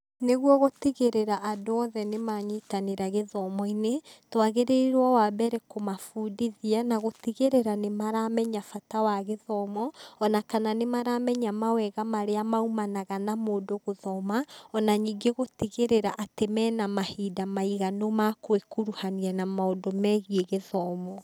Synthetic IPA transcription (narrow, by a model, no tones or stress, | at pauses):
neɣwɔɣotiɣeɾeɾaʔadoɔðɛnemaɲitaneɾaɣeðɔmɔinetwaɣeɾeiɾwawabɛɾɛkomafudiðianaɣotiɣeɾeɾanemaɾamɛɲafatawaɣeðɔmɔɔnakananemaɾamɛɲamawɛɣamaɾeamaumanaɣanamoːdoɣoðɔmaɔnaɲiːɡeɣotiɣeɾeɾaʔatemɛnamahidamaiɣanomakwekuɾuhanianamaodomɛɣieɣeðɔmɔ